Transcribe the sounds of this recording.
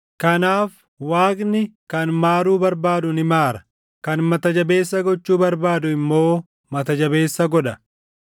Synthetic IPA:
kɐnaːf | waːkʼnɪkɐnmaːɾuːbɐɾbaːd̪ʊnɪmaːɾɐ̥ | kɐnmɐt̪ɐd͡ʒɐbe̞ːsːɐɡɔt͡ʃːuːbɐɾbaːd̪ʊɪmːo̞ː | mɐt̪ɐd͡ʒɐbe̞ːsːɐɡɔᶑɐ

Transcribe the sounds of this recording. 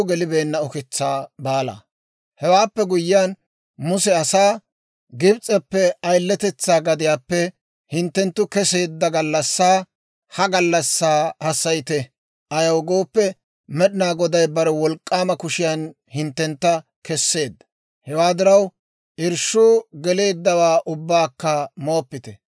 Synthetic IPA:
ɡɛlɪbe̞ːnːɐɔkɛt͡sːaːbaːla̰ː | hɛwaːpːɛɡʊjːɪjaːn | mʊsɛɐsaː | ɡɪbt͡sʼːɛpːɛɐjlːɛt̪ɛt͡sːaːɡɐd̪ɪjaːpːɛ | hɪnt̪ːɛnt̪ːʊkɛse̞ːd̪ːɐɡɐlːɐsːaː | hɐɡɐlːɐsːaːhɐsːɐjt̪ɛ | ʔɐjɐwɡoːpːɛ | mɛɗɪnaːɡɔd̪ɐjbɐɾɛwɔlkʼːaːmɐkʊʃɪjan | hɪnt̪ːɛnt̪ːɐ | kɛsːe̞ːd̪ːɐ̥ | hɛwaːd̪ɪɾɐw | ʔɪɾʃʊːɡɛle̞ːd̪ːɐwaːʔʊbːaːkːɐmoːpːɪt̪ɛ

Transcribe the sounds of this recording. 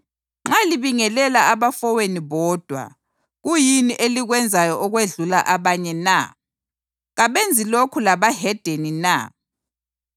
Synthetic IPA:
ŋ͡ǁaliβiŋɛlɛlaaβafɔweniβɔːd̥ʱwa̰ | ɣujiniʔeliɣwɛnd͡zʱajɔʔɔɣweɮulaʔaβaɲɛna̰ | ɣaβend͡zʱilokʰulaβaɦɛd̥ʱenina̰

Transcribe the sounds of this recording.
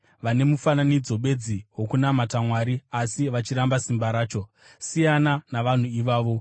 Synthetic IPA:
ʋane̞mufananid͡zo̞ɓe̞d͡ziwo̞kunamatamwaɾiasiʋat͡ʃiɾambasimbaɾaːt͡ʃo̞ | sijananaʋan̤uiʋaːʋo̞

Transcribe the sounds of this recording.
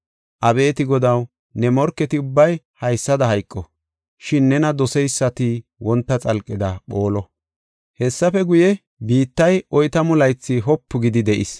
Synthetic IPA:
ʔɐbe̞ːt̪ɪɡɔd̪ɐw | nɛmɔɾkːɛt̪ɪʊbːɐj | hɐjsːɐd̪ɐɦɐjkʼːɔ | ʃɪnːɛnɐd̪ɔsɛjsːɐt̪ɪwɔnt̪ːɐt͡sʼɐlkʼːɪd̪ɐɓoːlɔ | hɛsːɐfɛɡʊjɛ | biːt̪ːɐjʔɔjt̪ɐmʊlɐjt͡sːɪɦɔpːʊɡɪd̪ɪd̪ɛʔɪs

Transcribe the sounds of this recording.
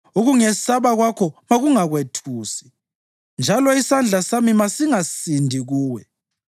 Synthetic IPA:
uɣuŋɛsaβaɣwakʰɔmaɣuŋaɣwetʰuːsi̥ | nd͡ʒʱalɔisand͡ɮʱasamimasiŋasindʱiɣuːwɛ

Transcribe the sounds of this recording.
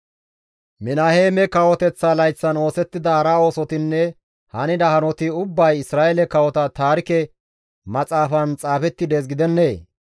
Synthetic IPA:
mɪnaheːmɛkɐwɔt̪ɛt͡sːalɐjt͡sːɐno̞ːsɛt̪ːɪd̪ɐhɐɾao̞ːsɔt̪ɪnːɛ | hɐnɪd̪ɐhɐnɔt̪ɪʊbːɐjɪsɾaːʔɛlɛkɐwɔt̪ɐt̪aːɾɪkɛ | mɐt͡sʼaːfɐnt͡sʼaːfɛt̪ːɪd̪es̬ɡɪd̪ɛnːeː

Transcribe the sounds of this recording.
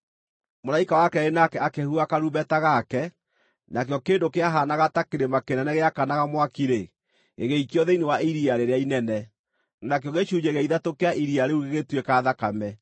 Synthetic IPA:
molaikawakɛenakɛakɛhuakaɾubɛtaɣakɛ | nakjɔkeːndokeaɦaːnaɣatakeɾemakenɛnɛɣeakanaɣamwakiɾe | eɣeikjɔðɛinewaiɾiaɾeɾeainɛnɛ | nak̬jɔɣeʃuːɲd͡ʒeɣaiðatokeaʔiɾiaɾeuɣeɣetwekaːðakamɛ

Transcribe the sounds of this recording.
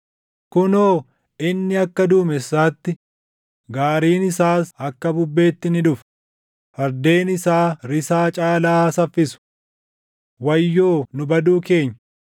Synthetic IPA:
kʊnoː | ɪnːɪɐkːɐd̪uːmɛsːaːt̪ːɪ | ɡaːɾiːnɪsaːsɐkːɐbʊbːe̞ːt̪ːɪnɪᶑ̪ʊf | fɐɾd̪e̞ːnɪsaːɾɪsaːt͡ʃʼaːlaːsɐfːɪsʊ̥ | wɐjːo̞ːnʊbɐd̪uːke̞ːɲːɐ

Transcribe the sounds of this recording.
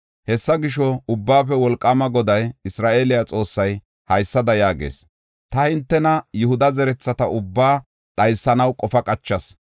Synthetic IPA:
hɛsːɐɡɪʃɔʊbːaːfɛwɔlkʼːɐmɐɡɔd̪ɐjɪsɾaːʔe̞ːlɪjat͡sʼo̞ːsːɐj | hɐjsːɐd̪ɐjaːɡḛːs | t̪ɐhɪnt̪ːɛnɐjʊhʊd̪ɐzɛɾɛt͡sːɐt̪ɐʊbːaː | ɗɐjsːɐnɐwkʼɔfɐkʼɐt͡ʃːɐs

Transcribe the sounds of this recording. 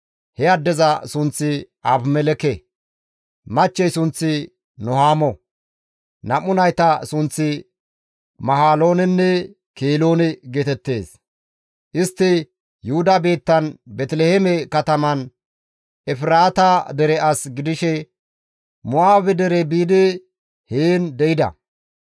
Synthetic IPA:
hɛɐd̪ːɛzɐsʊnt͡sːɪ | ɐbmɛlɛkɛ | mɐt͡ʃːɛjsʊnt͡sːɪ | nɔhaːmɔ | nɐmʊnɐjt̪ɐsʊnt͡sːɪ | mɐhaːlo̞ːnɛnːɛ | keːlo̞ːnɛɡeːt̪ɛt̪ːe̞ːs | ʔɪst̪ːɪ | jʊhʊd̪ɐbe̞ːt̪ːɐnbɛt̪lɛhɛmɛkɐt̪ɐmɐn | ʔɛfɪɾaːt̪ɐd̪ɛɾɛʔɐsɡɪd̪ɪʃɛ | mʊaːbɛd̪ɛɾɛbiːd̪ɪ | heːnd̪ɛjɪd̪ɐ̰

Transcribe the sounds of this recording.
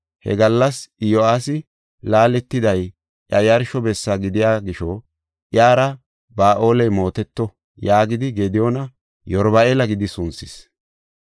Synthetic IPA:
hɛ̰ɡɐlːɐsjoaːsɪ | laːlɛt̪ːɪd̪ɐj | ʔjɐjɐɾʃɔbɛsːaɡɪd̪ɪjaːɡɪʃɔ | ʔɪjaːɾɐ | baːʔo̞ːlɛjmo̞ːt̪ɛt̪ːɔ | jaːɡɪd̪ɪɡed̪ɪjonɐ | jɔɾbɐeːlɐɡɪd̪ɪsʊnsɪs

